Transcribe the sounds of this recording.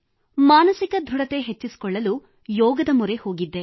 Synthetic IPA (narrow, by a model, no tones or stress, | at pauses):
maːnɐsikɐd̪ʱuɽɐt̪e̞ɦet͡ʃːisi̥kɔɭːɐlu | jɔːɡɐd̪ɐmuɾe̞ho̞ːɡid̪ːe̞